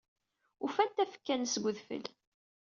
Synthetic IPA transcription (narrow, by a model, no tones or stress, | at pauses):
ufænt̪æfə̥kːænsɡʷʊðfə̰l